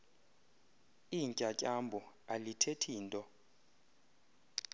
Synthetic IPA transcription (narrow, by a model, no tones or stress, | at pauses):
iɲcʼacʼambʱu | alitʰetʰiːntʼɔ